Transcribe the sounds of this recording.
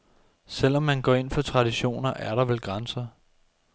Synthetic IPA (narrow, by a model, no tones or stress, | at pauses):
sel̰ɒ̽mːænɡ̥ɒ̰ːe̝n̰fɒ̽t͡sʰʁɑ̈diɕo̝̰ːnɐʔæɐɾɑ̈ʋelɡ̥ʁansɐ